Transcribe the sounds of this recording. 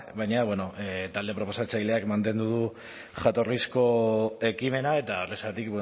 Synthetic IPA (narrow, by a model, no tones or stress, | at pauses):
bajɲaβwe̞no̞ʔet̪ald̪e̞pɾo̞po̞sat͡ʃajle̞akmant̪e̞nd̪uðu | ʝat̪o̞risko̞e̞kime̞nae̞t̪aoresat̪ikbe